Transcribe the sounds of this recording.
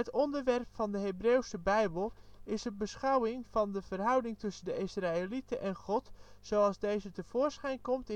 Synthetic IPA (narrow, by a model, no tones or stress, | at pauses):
ətɔndərʋɛrpfɑndəɦebrewsəbɛjbəlˠɪsəbəsχawɪŋvɑndəvərɦʌwdɪŋtɵsəndəɪsraelitəʔɛnχɔtsowɑlˠzdejzətəv̥oːrsχɛjnkɔmtɪ